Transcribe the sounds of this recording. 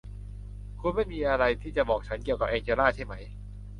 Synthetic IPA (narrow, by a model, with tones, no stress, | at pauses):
kʰu˧nma˥˩jmiː˧ʔa˧ɾa˧jt̪ʰiː˥˩t͡ɕa˨˩bɔː˨˩k̚t͡ɕʰa˦˥nki˨˩əwka˨˩ʔeː˧ŋt͡ɕʰeː˧laː˥˩t͡ɕʰa˥˩jma˦˥j